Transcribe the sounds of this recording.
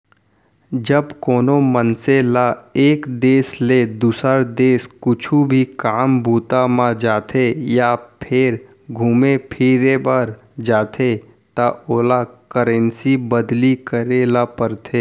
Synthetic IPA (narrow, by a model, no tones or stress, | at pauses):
d͡ʒəbkoːnomənselaeːkd̪eːsled̪usəɾd̪eːskʊt͡ʃʰubʱikaːmbʱuːt̪amãd͡ʒaːt̪ʰejapʰɪɾ | ɡʱumepʰiːɾebəɾ | d͡ʒaːt̪ʰe | t̪aoːlakəɾẽnsibəd̪likəɾelapəɾt̪ʰeː